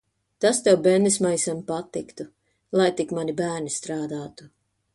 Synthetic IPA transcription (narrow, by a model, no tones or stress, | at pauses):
t̪ast̪ɛwbɛnd̪ismajsampat̪ːikt̪u | lˠajt̪ikmanibæːɾnist̪ɾaːd̪aːt̪u̥